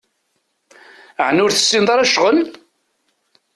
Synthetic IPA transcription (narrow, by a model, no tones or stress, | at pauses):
əʕnʊɾθə̥sːinðˤɑɾˤæʃʁəl